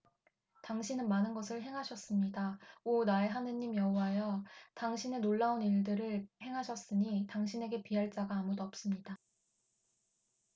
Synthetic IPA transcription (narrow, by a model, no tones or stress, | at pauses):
taŋɕʰinɯnmanɯnɡʌsʰɯɭɦe̞ŋɦaɕʰʌs͈ɯmɲidaonaeɦanɯɲːimjʌɦuwaejʌtaŋɕʰinenoɭːauniɭdɯɾɯɭhe̞ŋɦaɕʰʌs͈ɯɲitaŋɕʰine̞ɡe̞piɦaɭt͡ɕ͈aɡaːmudoʌp̚s͈ɯmɲida